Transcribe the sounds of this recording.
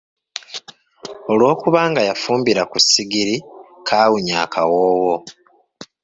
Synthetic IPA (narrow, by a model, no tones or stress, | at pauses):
o̞lwo̞ːkuβaːŋɡajafuːmbiɾakusiɡiɾikʰaːwuɲa̰ːkʰawoːwo